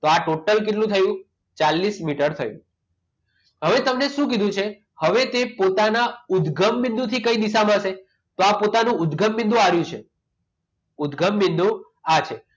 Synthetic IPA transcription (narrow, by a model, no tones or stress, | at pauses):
t̪oaʈoʈəlk̬eʈlũt̪ʰəjũ | t͡ʃalːismiʈəɾt̪ʰəjṵ̃ | ɦəʋet̪əmneʃũk̬id̪ʱũt͡ʃʰe | həʋet̪epot̪anaʊd̪ɡʱəmːind̪ũt̪ʰikəid̪iʃamãʃe | t̪oapot̪anũʊd̪ɡʱəmːĩnd̪ʱũaɾjũt͡ʃʰḛ | ʊd̪ɡʱəmːind̪ʱũ | at͡ʃʰe